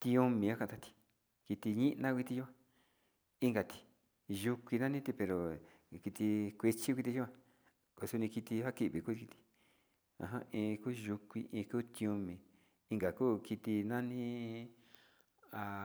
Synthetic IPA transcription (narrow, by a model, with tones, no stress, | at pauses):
t̪ĩ˧õ˧mĩ˨ã˦kã˧t̪a˧t̪i̥˧ | ki˧t̪i˧ɲĩ˦ʔnã˦kʷi˧t̪i˧ju˦ã˧ | i˦ŋɡa˨t̪i̥˧ | ʒu˧kʷi˧nã˦nĩ˦t̪i˧pe˧ɾo˨ | ki˧t̪i˧kʷe˧t͡ʃi˦kʷi˧t̪i˧ju˦ã˧ | ko˧su˧nĩ˧ki˧t̪i˧ha˦ki˧ʔβi˨ku˦˧ki˧t̪i̥˧ | ã̰˧ɦã̰˦ʔĩː˧kuː˦ʒu˧kʷḭ˧ʔĩː˧kuː˦t̪ĩ˧õ˧mĩ˨ | i˧ŋɡa˨kuː˦ki˧t̪i˧nã˦nĩ˦ | a˧